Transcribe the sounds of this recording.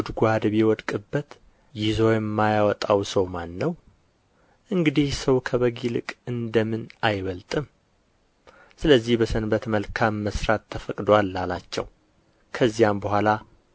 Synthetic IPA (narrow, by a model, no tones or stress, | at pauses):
ud̪ɡuhad̪əβijɛwɔd̪kʼɨbːət̪ | jɪzo̞jɛmːajawɔt̪ʼawsəwmanːəw | ʔɨŋɡɨd̪ihsəwkʰəβəɡilɨkʼɨnd̪əmɨnajβəlt̪ʼɨm | sɨləzːihbəsənbət̪məlkʰamːəsɾat̪ʰːəfəkʼd̪walːalat͡ʃːɛ̰w | kʰəzːijambəɦʷala